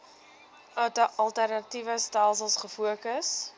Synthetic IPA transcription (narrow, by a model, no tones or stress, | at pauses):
œtəʔɐlˠtærnɐtivəstælˠs̬əlˠsχəfuəkəs